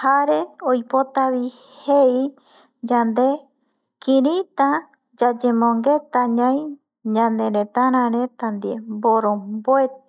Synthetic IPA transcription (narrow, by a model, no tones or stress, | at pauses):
haɾe̞ojpot̪aβi | hei | d͡ʒand̪e | kĩɾĩt̪ã | d͡ʒad͡ʒẽmõŋɡe̞t̪ãɲãj̃ | ɲãnd̪ẽɾẽt̪aɾ̃ãɾẽt̪and̪iemboɾõmboet̪